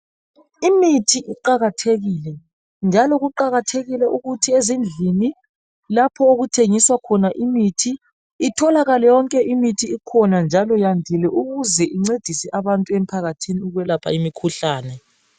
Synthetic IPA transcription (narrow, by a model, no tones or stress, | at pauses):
imitʰiʔiǃaɣatʰeɣiːlɛ | nd͡ʒʱalɔɣuǃaɣatʰeɣilɛʔuɣutʰiezind͡ɮʱini | lapʰɔoɣutʰeŋiswakʰɔnaʔimitʰiː | tʰɔlaɣalɛjɔŋkʼɛʔimitʰiːkʰɔnand͡ʒʱalɔjandʱilɛʔuɣuzɛʔiŋ͡ǀed̥ʱisɛʔaβantʼuem̩pʰaɣatʰiniuɣwɛlapʰa̰imikʰuɬaːnɛ